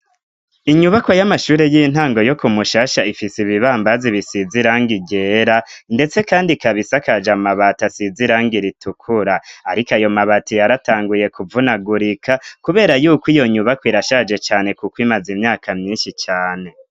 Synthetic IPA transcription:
iɲuβako̞jamaʃuːɾejiːn̥haːŋɡo̞jo̞kumuʃaːʃaifisiβiβaːmbaziβisiziɾaːŋɡiɟeɾande̞t͡se̞kaːndikaβisakad͡ʒamaβatasiziɾaːŋɡiɾitʰukʰuɾaaɾikajo̞maβatijaɾataːŋɡuje̞kuvunaɡuɾikʰakuβe̞ːɾajuːkwijo̞ɲuβakwiɾaʃaːd͡ʒe̞t͡ʃaːne̞kukwimazimɲaːkʰamɲiːnʃit͡ʃaːne̞

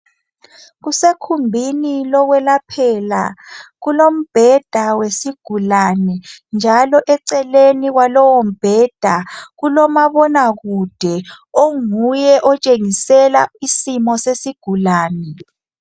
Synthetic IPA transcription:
ɣusekʰumbʱinilɔɣwɛlapʰɛla̰ɣulom̩b̥ʱɛd̥ʱawesiɡ̥ʱulanɛnd͡ʒʱalɔʔɛǀɛleniɣwalɔwom̩b̥ʱɛd̥ʱaɣulɔmaβɔnaɣud̥ʱɛoŋujɛʔɔt͡ʃʼeŋisɛlaisimɔsesiɡ̥ʱulaːnɛ

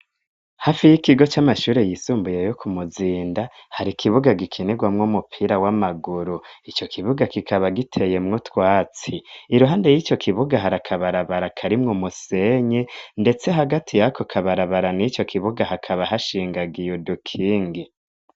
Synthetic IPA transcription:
hafijikiɡo̞t͡ʃamaʃuːɾe̞jisuːmbujejokʰumuziːndahaɾikʰiβuɡaɡikʰineɡwamŋomupʰiɾawamaɡuɾuit͡ʃo̞kʰiβuɡakikʰaβaɡitʰe̞je̞mŋotwaːt͡siːɾuɦaːnde̞jit͡ʃo̞kʰiβuɡaɦaɾakʰaβaɾaβaɾakʰaɾimŋumuse̞ɲende̞t͡se̞ɦaɡatʰijakʰokʰaβaɾaβaɾanit͡ʃo̞kʰiβuɡahakʰaβaɦaʃiːŋɡaɡijudukʰiːŋɡi

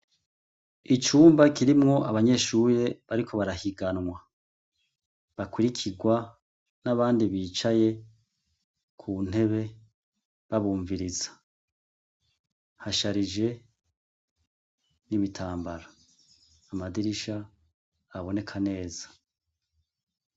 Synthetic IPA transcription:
it͡ʃuːmbakiɾimŋo̞aβaɲe̞ʃuɾe̞βaɾikʰo̞βaɾahiɡanŋwa | βakuɾikʰiɡwa | naβaːndiβiːt͡ʃaje̞ | kʰun̥e̞βe̞ | βaβuːɱviɾizḁ | haʃaɾid͡ʒe̞ | niβitʰaːmbaɾaː | madiɾiʃaː | βo̞ne̞kʰane̞ːzḁ

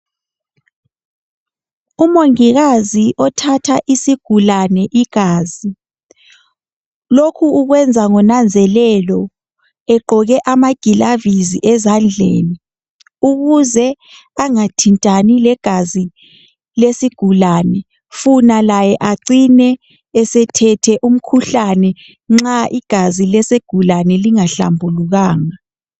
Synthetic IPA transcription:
umoŋiɣaziʔɔtʰatʰaʔisiɡ̥ʱulanɛʔiɡ̥ʱaːzi | lokʰuuɣwɛnd͡zʱaŋɔnand͡zʱɛlɛlɔ | ɛǃʱɔɣɛʔamaɡ̥ʱilaviziʔɛzand͡ɮʱḛːni | uɣuzɛ | aŋatʰintʼanilɛɡ̥ʱazi | lesiɡ̥ʱulaːnɛ | funalajɛʔaǀinɛː | sɛtʰɛtʰɛʔum̩kʰuɬanɛ | ŋ͡ǁaʔiɡ̥ʱazilɛseɡ̥ʱulanɛliŋaɬa̰mbʱuluɣaːŋa

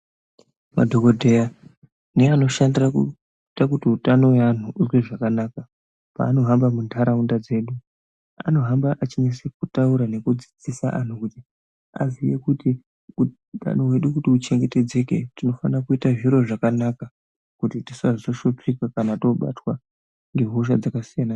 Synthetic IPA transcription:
ma̰dʱokodʱe̞ja | neano̞ʃandiraku | itakutiutano̞wean̤uʔuzweʐakanaːka | pa̰ːno̞ɦambamuntʰaɾaundad͡ze̞ːɗu | a̰no̞ɦambaʔat͡ʃiɲesekutauɾane̞kud͡zid͡zisaʔa̰n̤ukuti | a̰zijekuti | u | ta̰nowe̞ɗukutiut͡ʃe̞ŋɡe̞te̞d͡ze̞ke̞̰tino̞fa̰nrakuitaʐiɾo̞ʐakanaka | kutitisaʐitoʃot͡ʂikakanato̞ɓa̰twa | ŋɡe̞ɦuʃ̬a̰d͡zakasijana

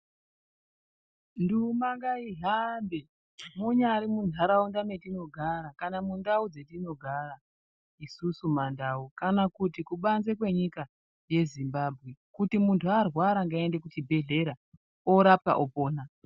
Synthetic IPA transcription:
ndumaŋɡaiɦambe̞ | muɲaɾimunʱaɾaundame̞tino̞ɡʱaɾakanamundaud͡ze̞tino̞ɡʱara | isusumandaukanakutikuɓanzekwe̞ɲika | je̞zimbabʱɣe̞kutimuntʰuarwaɾaŋɡae̞ndekut͡ʃibʱe̞ɮe̞ɾa | oɾap̚ka̰ʔopoːna

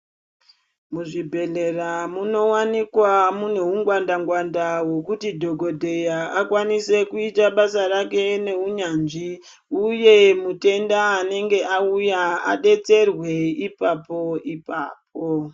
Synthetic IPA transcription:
muʐibʱe̞leramuno̞wanikwamun̤euŋɡwandaŋɡwandawo̞kutidʱo̞ɡʱo̞dʱe̞jaakwanise̞kuitaɓasarake̞ne̞uɲanʐi | uje̞mute̞ndaːne̞ŋɡe̞ʔaujaa̰ɗe̞t͡se̞rwe̞ipapo̞ipa̰ːp̚o

